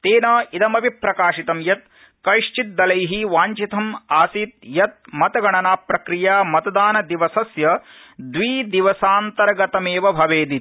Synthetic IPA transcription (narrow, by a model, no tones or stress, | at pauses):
t̪eːnɐːid̪ɐmɐbʱipɾɐkaːʃit̪ɐmjɐt̪̚ | kɐʂt͡ʃit̪̚d̪ɐlɐjɦiʋaːɲt͡ʃit̪ʰɐmaːsiːt̪̚jɐt̪̚mɐt̪ɐɡɐɳɐnaːpɾɐkɾijaːmɐt̪ɐd̪aːnɐd̪iʋɐsɐsjɐ | d̪ʋiːd̪iʋɐsaːnt̪ɐɾɐɡɐt̪ɐmeːʋɐbʱɐʋeːd̪it̪